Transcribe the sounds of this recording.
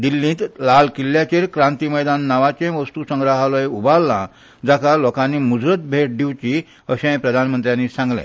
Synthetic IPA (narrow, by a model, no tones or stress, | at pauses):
d̪ilːĩːt̪laɭkilːjat͡ɕeɾkɾãnt̪iməjd̪anːaʋat͡ɕẽʋəst̪usəŋɡɾaɦaləjubalːã̰ | d͡zakalɔkãnːiːmud͡zɾət̪̚bʱeʈ̚ɖiʋt͡ɕi | əɕẽpɾəd̪ʱanmənt̪ɾjãnːisãŋɡlḛ̃